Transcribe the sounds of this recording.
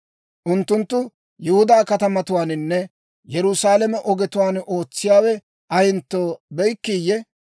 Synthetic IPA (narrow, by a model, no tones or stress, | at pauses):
ʔʊnt̪ːʊnt̪ːʊ | jɪhʊd̪aːkɐt̪ɐmɐt̪ʊwaːnɪnːɛ | jɛɾʊsaːlɛmɛʔɔɡɛt̪ʊwaːno̞ːt͡sːɪjaːwɛ | ʔɐjɪnt̪ːoːbɛjkːiːjːɛ